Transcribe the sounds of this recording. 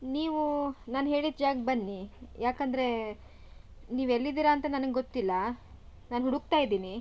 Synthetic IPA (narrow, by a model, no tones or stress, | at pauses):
niːʋunaːnɦe̞ːɭid̪̚d͡ʒaːɡbɐnːijaːkɐnd̪ɐɾe̞ | niːʋelːid̪iːɾaːnt̪ɐnɐnɐŋɡeɡot̪ːilːɐnaːnɦuɽuɡ̚t̪aːjid̪iːni